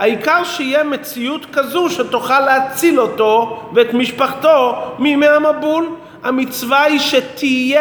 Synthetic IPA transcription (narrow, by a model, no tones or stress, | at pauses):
haikaʁʃeijemet͡siut̪kazuʃet̪uχalːeat͡silo̞to̞veet̪miʃpaχto̞mimeamabul | hamit͡svaiʃet̪ʰije